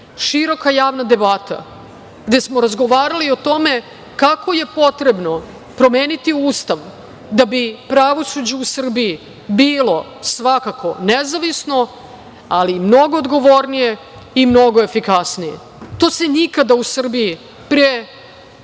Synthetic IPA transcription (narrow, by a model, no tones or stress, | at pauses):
ʃiɾo̞kajaːʋnad̪e̞bat̪a̰ | ɡ̥d̪e̞smoɾazɡo̞ʋaːɾaliot̪o̞me̞ | kako̞je̞po̞t̪ɾebno̞ | pɾo̞meːnit̪iuːst̪aʋ | d̪abipɾaʋo̞sud͡ʑeusr̩bii | biːlo̞ | sʋakakʰo̞nezaʋisno̞ | alimno̞ɡoːd̪ɡo̞ʋo̞ɾnije̞ | imno̞ɡo̞efikasnijḛ | t̪o̞ːsenikad̪ausr̩biji | pɾe